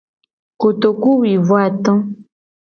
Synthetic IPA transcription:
ko˨t̪o˨ku˦wi˨vɔ˦a˨t̪ɔ̃˦

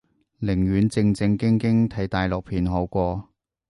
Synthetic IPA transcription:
lɪ˨˩ŋɥyː˨˥nt͡sɪ˧ŋt͡sɪ˧ŋkɪ˥ŋkɪ˥ŋt̪ʰɐ˨˥jt̪aː˨jlɔː˨k̚pʰiː˨nɦo˨˧˥wkʷɔː˧

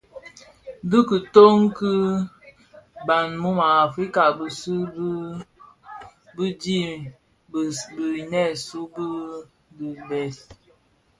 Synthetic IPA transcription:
dɨ˦kə˨to˦ŋkɨ˦ | ba˨nmu˦ma˨a˨fɾi˦ka˨bə˨sɨ˦ | bi˦di˦˨ | bə˨nɛ˦˨su˦b | di˨bɛ˨s

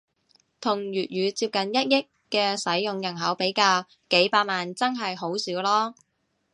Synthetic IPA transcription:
t̪ʰʊ˨˩ŋjyː˨t̚ɥyː˨˧t͡siː˧p̚kɐ˨njɐ˥t̚jɪ˥kːɛː˧sɐ˨˥jːʊ˨ŋjɐ˨˩nɦɐ˨˥wpe˨˥jkaː˧w | ke˨˥jpaː˧t̚maː˨nt͡sɐ˥nɦɐ˨jɦo˨˥wsiː˨˥wlɔː˥

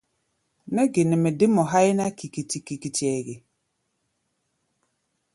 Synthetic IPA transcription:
nɛ˦ɡɪ˨nɪ˨mɪ˨dɪ˦mɔ˨ɦa˦ɪ˦na˦ki˨ki˨ti˨ki˨ki˨ti˨ɛ˨ɡɪ˨

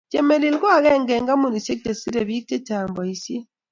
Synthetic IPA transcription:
d͡ʒe˨me˨li˨lɡwa˦˨ɣɛ˦˨ŋɡɛ˨ŋɡa˦mu˨ni˨se˦k̚te˨si˦ɾe˨βi˦k̚te˦ta˨mbɔ˨i˨sje˦

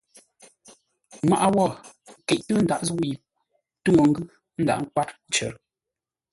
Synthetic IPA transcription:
ma˦˨ʔa˦wɔ˦˨kɛ˨ʔtə˦n̩˨da˨ʔzu˦ji˨ | tu˦ŋo˨ŋ̩˦ɡʉ˦ | n̩˦da̰˨ʔŋ̩˦k̚wa˦t̚t͡ʃɛ̰˨ɾ

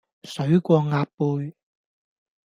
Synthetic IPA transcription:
sɵ˨˥ɥkʷɔː˧ŋaː˧ppːuː˧j

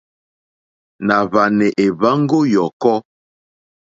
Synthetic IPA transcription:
na˨βa˨nɛ˨ʔe˨βa˦ŋ˦ɡo˦jɔ˨kɔ˦

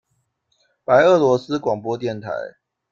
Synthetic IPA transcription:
pa˨˦ɪə˥˩lwɔ˧˥s̩˦kwɑ˨˩ŋpwɔ˦t̪jɛ˥˨nt̪ʰa̰˨˦ɪ

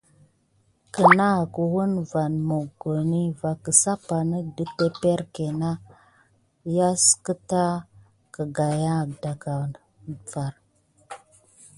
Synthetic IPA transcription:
kə˨na˦˨ku˨wu˦nva˨nmo˨ɡo˨ni˦va˨kə˨sa˦pa˨nə˦də˦pe˦pe˦ɾke˨na˦ | ja˦skə˦ta˦ | kə˨ɡa˨ja˦˨da˨ka˨ | va˨ɾ

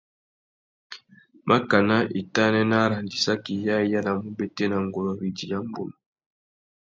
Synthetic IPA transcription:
mʔa˦ka˨na˦ʔi˨ta˦nɛ˦na˦ɾa˨ndi˨sa˦ki˨ja˦ja˦na˨mu˦bɛ˦tɛ˦na˨ŋɡo˨lɔ˨bi˨di˨ja˦mbo̰˨na˨

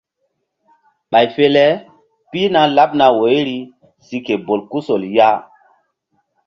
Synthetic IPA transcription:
ɓa˨jfe˦lɛ˦ | pi˦na˦la˦p̚na˨wo˨˦jɾi˦ | si˨ke˨bo˨lku˦so˨lja˦

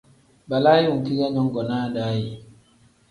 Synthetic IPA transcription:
ba˨la˦ju˨ŋki˦ɡa˦ɲɔ˦ŋɡɔ˨naː˦daː˦ji˨

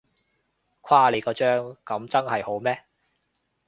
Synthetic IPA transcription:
kʷʰwaː˥le˨˧jkɔː˧t͡ʃœː˥ŋkɐ˨˥mt͡sɐ˥nhɐ˨jho˨˥wmɛː˥

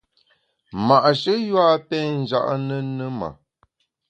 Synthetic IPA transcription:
ma˨ʔʃə˦jwa˦pɛ˦n̩˨d͡ʒa̰˦ʔnə˦nə˦ma̰˨

